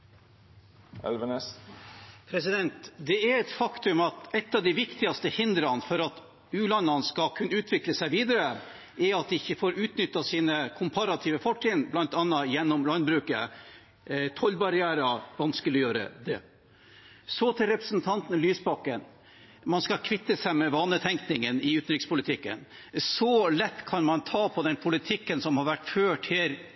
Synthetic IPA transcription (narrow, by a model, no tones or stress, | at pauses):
ɛ̰lʋəɛ | pʰɾɛsɪd̪ɛnt̪d̪ɛɛɾɛt̪fɑkt̪ʉmɑt̪ɛt̪ːɑʋd̪æɪʋɪkt̪ɪɑst̪əhɪnd̪ɾɑnfɔɾɑt̪ | ʉːlɑnːɑnskɑkʰʉnːəʉːt̪ʰʋɪkləsæɪʋiːd̪əɾə | ɛɾɑt̪̚d̪ɪɪçːəfoːɾʉːt̪nʏt̪ːɑsiːnəkʰʊmpʰɑɾɑt̪ʰiːʋəfɔʈʰːɪnblɑnt̪ɑnːɑjɛnːɔmlɑnbɾʉːkə̰ | t̪ʰɔlbɑɾɪæːɾɑʋɑnskəlɔjøːɾə̰d̪ɛ̰ | sɔt̪ʰɪlɾɛpɾəsnt̪ʰɑnt̪n̩lyːsbɑkːən | mɑnskɑkʰʋɪt̪ːəsæɪmɛʋɑːnət̪ʰɛŋknɪŋənɪʉːt̪nɾɪkspʊlɪt̪ʰɪkːə̰nsɔlɛt̪ːkʰɑnmɑnt̪ʰɑːpʰɔd̪ɛnpʰʊlɪt̪ʰɪkːənsɔmhɑɾʋæʈːføːʈheːɾ